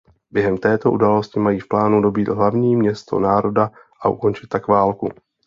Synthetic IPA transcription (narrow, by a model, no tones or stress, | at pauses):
bjɛɦɛmt̪ɛːt̪o̞ʔudaːlo̞scɪmajiːfplaːnudo̞biːt̪ɦlavɲiːmɲɛst̪o̞̰naːɾo̞da | ʔaʔuko̞nt͡ʃɪ̥t̪̚ːakvaːlku